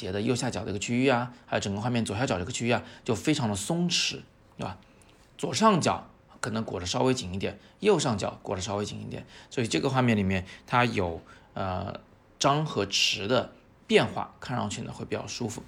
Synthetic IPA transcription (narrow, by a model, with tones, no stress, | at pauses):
t͡ɕjɛ˧˥d̪ə˧jo˥˧ʊɕja˥˩t͡ɕjɑ˨˩d̪ə̰˧˥ɡə˧t͡ɕʰy˥y˥˩ɐ˩a˥jo˧˩ʊʈ͡ʂɤ˨˩ŋɡə˧xwa˥˧mjɛ˥˩nt͡swɔ˨˩ɕja˥˩t͡ɕɑ˨˩də̰˧˥˧t͡ɕʰy˥y˥˩ja˩t͡ɕjo˥˩ʊfe˥ɪʈ͡ʂʰɑ˧˥ŋd̪ə˧sʊ˥ŋʈ͡ʂʰɻ̩˧˥ | tt̪ə˥˩a̰˨˩ | t͡swɔ˨˩ʂɑ˥˩ŋt͡ɕjɑ˨˩˦ʊ | kʰɤ˨˩nɤ˧˥ŋkwɔ˨˩ʈ͡ʂə˦ʂɑ˥ʊwe˥ɪt͡ɕi˨˩ŋi˥˩t̪jɛ˨˩˦n | jo˥˧ʊʂɑ˥˩ŋt͡ɕjɑ̰˨˩˦ʊkwɔ˨˩ʈ͡ʂə˦ʂ̬ɑ˥ʊwe˥ɪt͡ɕḭ˨˩ŋi˥˩t̪jɛ̰˨˩˦nswɔ˧˥i˨˩ʈ͡ʂɤ˥˩ɡə˩xwa˥˧mjɛ˥˩nli˨˩mjɛ˥˩nt̪ʰa˥jo˨˩ʊə̰˧ | ʈ͡ʂɑ˥ŋxɤ˧˥ʈ͡ʂʰɻ̩˧˥d̪ə˧ | pjɛ˥˧nxwa̰˥˩kʰa˥˧nɻɑ̰˥˧ŋt͡ɕʰy˥nə̰˧˥xwe˥˩ɪpi˨˩t͡ɕjɑ̰˥˩ʊʂu˥fṵ˧˥˩